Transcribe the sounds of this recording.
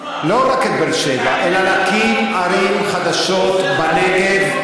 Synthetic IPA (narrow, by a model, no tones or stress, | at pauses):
lo̞ʁaket̪̚belʃevaʔelalakimaɾimχad̪aʃo̞t̪baneɡed̪